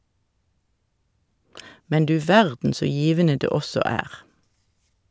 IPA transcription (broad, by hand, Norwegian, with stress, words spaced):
ˈmɛn ˈdʉː ˈʋæʁdn̩ ˈsoː ˈjiːʋənə ˈdeː ˈɔsɔ ˈæːʁ